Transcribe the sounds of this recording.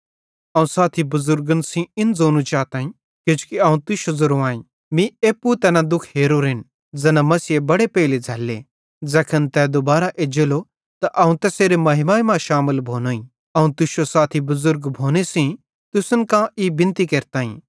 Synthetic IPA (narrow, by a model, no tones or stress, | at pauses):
ɐũsaːt̪ʰibʊzʊɾɡənsĩɪnzoːnũt͡ʃaːt̪aːĩ | kot͡ʃu̥kiɐːũt̪ʊʃozʊɾoaːĩ | mĩeːpːut̪ɛːnãd̪ʊkʰɦeːɾoɾɦɪn | d͡zɐnãmɐsiebɐɽepeːled͡zʱɐlːe | d͡zɐkʰənt̪ɛd̪ʊbaːɾaʔeːd͡ʒelo | t̪aʔɐũt̪ɛseːɾemɐɦɪmaːimãʃaːmɪlbʱoːnoːĩ | ɐũt̪ʊʃosaːt̪ʰibʊzʊɾɡbʱoːnesĩ | t̪ʊsənkãibɪ̃nt̪ikeːɾt̪aːḭ̃